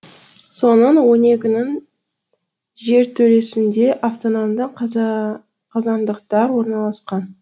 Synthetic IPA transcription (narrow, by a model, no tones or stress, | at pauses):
so̞nənwo̞ne̞kʲɪnɪŋ | ʒe̞ɾt̪ʰɵɾe̞sɪnd̪e̞ʔaft̪onomd̪ə | qʰɑzɑnd̪əqt̪ɑɾwo̞ɾnɑlˠɑsqɑn